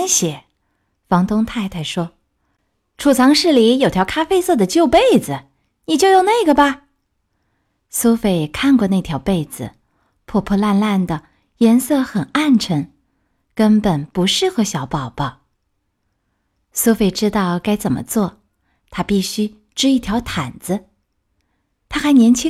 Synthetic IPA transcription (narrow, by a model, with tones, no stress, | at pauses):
ɕjɛ˨˩˦ | fɑ˧˥ŋt̪ʊ˥ŋt̪ʰa˥˩ɪt̪ʰa˥˩ɪʂwɔ˥ | ʈ͡ʂʰu˨˩t͡sʰɑ˧˥ŋʂɻ̩˥˩li˧˥jo˨˩ʊt̪ʰjɑ˧˥ʊkʰa˥fe˥ɪsɤ˥˩d̪ə˩t͡ɕjo˥˧ʊpe˥˩ɪd͡zɹ̩˨˩ | ni˨˩t͡ɕjo˥˧ʊjo˨˩ʊne˥˩ɪɡə˩ba˧ | so˥ʊfe˨˩ɪkʰa˥˧nkwɔ˥˧na˥˩ɪt̪ʰjɑ˧˥ʊpe˥˩ɪd͡zɹ̩̰˩ | pʰwɔ˥˩pʰɔ˥˧la˥˧nla˥˩nd̪ə˩ | jɛ˧˥nsɤ˥˩xə˨˩na˥˩nʈ͡ʂʰɤ˧˥ŋ | kə˥npə˨˩npu˧˥ʂɻ̩˥˩xɤ˧˥ɕjɑ˧˥ʊpɑ˨˩ʊpɑ˥˩ | so˥ʊfe˨˩ɪʈ͡ʂɻ̩˥t̪ɑ˥˩ʊka˥ɪt͡sə˨˩nmə̰˦t͡swɔ˥˩ | t̪ʰa˥pi˥˩ɕy˥ | ʈ͡ʂɻ̩˥i˥˩t̪ʰjɑ˧˥ʊt̪ʰa˨˩nd͡z̩˦ | t̪ʰa˥xa˧˥ɪnjɛ˧˥nt͡ɕʰi˥